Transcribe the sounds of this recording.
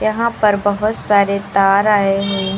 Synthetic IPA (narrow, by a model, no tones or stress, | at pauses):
jɐɦãpɐɾbɐɦʊt̪saːɾet̪aːɾaːeɦoː